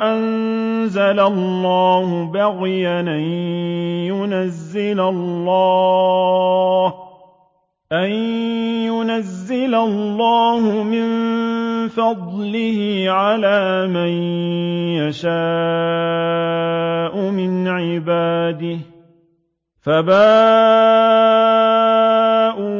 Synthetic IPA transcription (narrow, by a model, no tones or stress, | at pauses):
ʔanzalalˤːɑːhʊbaɣjaʔan | jʊnazːɪlalːɑː | h | ʔanjʊnazːɪlallːɑːhʊmɪn | fɑd̪ˤlɪhɪʕalaːman | jaʃaː | ʔʊmɪnʕɪbaːd̪ɪh | fabaː | ʔu